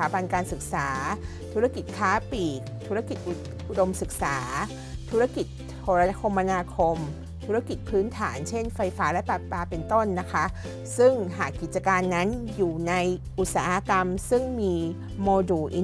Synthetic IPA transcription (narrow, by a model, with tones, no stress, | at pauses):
aː˩˦ba˧nkaː˧nsɯ˨˩k̚saː˩˦ | t̪ʰu˦˥ɾa˥˩ki˨˩t̪̚kʰaː˦˥piː˨˩k̚t̪ʰu˦˥ɾa˥˧˩ki˨˩t̪̚ʔu˨˩ | ʔu˧˩do˧msɯ˨˩k̚saː˩˦ | t̪ʰu˦˥a˥˩ki˨˩t̪̚ | hʰo˨˩ɾa˧˥kʰo˧mʔa˧naː˧kʰo˧m | t̪ʰu˦˥a˥˩ki˨˩t̪̚pʰɯː˦˥nt̪ʰaː˩˦nt͡ɕʰe˥˩nfa˧jfaː˦˥lɛ˦˥pa˨˩t̪̚paː˧pe˧nt̪o˥˩nːa˦˥kʰa˦˥ | sɯ˥˩ŋɦaː˨˩kːi˨˩t͡ɕa˧kaː˧nːa˦˥njuː˨˩na˧jʔu˨˩t̪̚saː˩˦ha˧ka˧msɯ˥˩ŋmiː˧ | moː˧duː˨˩ʔi˧